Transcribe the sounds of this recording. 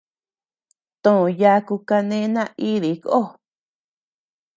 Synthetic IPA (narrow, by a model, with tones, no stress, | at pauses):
t̪õ˧˨ja˧˦ku˧ka˧nẽ˧˦nã˦˧i˦ði˨˦kʔo˦˨